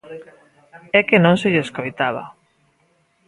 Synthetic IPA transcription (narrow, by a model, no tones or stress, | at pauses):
ɛkenõŋseʎeskojt̪aβ̞a̰